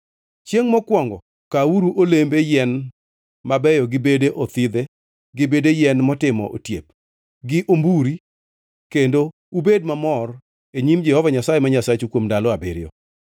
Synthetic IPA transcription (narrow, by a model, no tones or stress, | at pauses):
t͡ʃjeŋmɔkwɔŋɡɔ | kauɾuʔolembejɛn | mabɛjɔɡɪbedeʔot̪id̪e | ɡɪbedejɛnmɔtɪmɔ̰ʔo̰tjep̚ | ɡɪʔombuɾi | kendo | ubed̚mamɔr | eɲimd͡ʒɛhɔvaɲasajemaɲasat͡ʃukwomdalɔabḛɾɪjɔ̰